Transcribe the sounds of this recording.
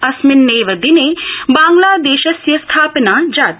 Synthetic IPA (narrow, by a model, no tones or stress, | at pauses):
ɐsmɪnːeːʋɐd̪inebãːŋɡlaːd̪eːʃɐsjɐst̪ʰaːpnaːd͡ʒaːt̪